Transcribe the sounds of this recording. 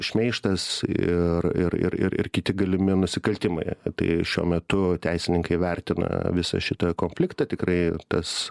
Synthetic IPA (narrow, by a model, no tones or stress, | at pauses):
ʃʲmʲɛɪʃt̪ɐsɪrɪ̰rɪ̰rɪ̰rɪ̰rkʲɪt̪ʲɪɡɐlʲɪmʲɪnʊsʲɪkɐlʲt̪ʲɪmɐ̰ɪt̪ɐ̰ɪʃʲuɔmʲɛt̪ʊt̪ʲæɪsʲɪnʲɪŋkɐɪʋʲɛrʲt̪ʲɪnɐ̰ʋʲɪsɐ̰ʃʲɪt̪ɐkoːmʲfʲlʲɪkt̪ɐt̪ʲɪkɾɐɪt̪ɐs